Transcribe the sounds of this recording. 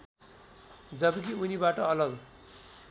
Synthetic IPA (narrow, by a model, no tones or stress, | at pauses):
d͡zʌbʌkiunibaʈʌʌlʌɡ